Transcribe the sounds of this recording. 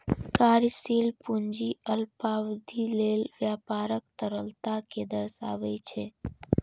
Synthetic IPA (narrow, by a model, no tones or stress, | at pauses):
kaːɾjsilpund͡ʒiəlpaʋd̪ʱilelʋjapaɾək̚t̪əɾəlt̪aked̪əɾsa̰ʋet͡ʃʰe